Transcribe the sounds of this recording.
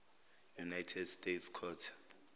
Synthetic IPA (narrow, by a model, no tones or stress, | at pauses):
junajtʰɛdstʼetskʰɔːtʰḁ